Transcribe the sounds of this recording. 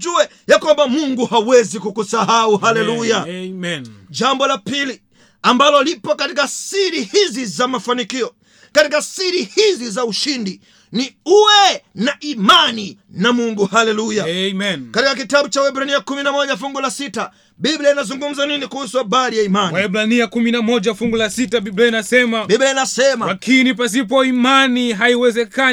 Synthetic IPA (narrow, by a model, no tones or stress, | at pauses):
d͡ʒuɛ | jakwambamuŋɡuhawɛzikukusahauhalɛluja | d͡ʒambɔlapili | ambalɔlipɔkatikasiɾihizizamafanikiɔ | katikasiɾihizizauʃindi | niuwɛnaʔimani | namuŋɡuhalɛlujaɛmɛnkatikak̬itaɓut͡ʃauwɛbɾaniakuminamɔʄafuŋɡulasita | bibliainazuŋɡum̩zaninikuhusuaɓaɾijaimanwaɛbɾaniakuminamɔʄafuŋɡulasitaɓibliainasɛmabiblainasɛmalakinip̬as̬ipɔimaniɦaiwɛzɛka